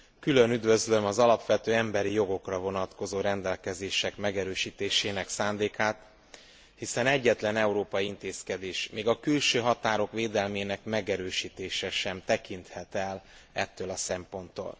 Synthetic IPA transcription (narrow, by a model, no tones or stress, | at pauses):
kylø̞nyd̪vø̞zlø̞mɒzɒlɒpʋɛt̪øːɛmbɛɾijo̞ɡo̞krɒvo̞nɒt̪ko̞zoːɾɛnd̪ɛlkɛzeːʃɛkmɛɡɛɾøːʃiːt̪eːʃeːnɛksaːnd̪eːkaːt̪ | hisɛnɛɟːɛt̪lɛnɛuɾoːpɒjiint̪eːskɛd̪eːʃmeːɡɒkylʃøːɦɒt̪aːɾo̞kʋeːd̪ɛlmeːnɛkmɛɡɛɾøːʃiːt̪eːʃɛʃɛmt̪ɛkint̪hɛt̪ɛl | ɛ̰t̪ːøːlɒsɛmpo̞nt̪ːo̰ːl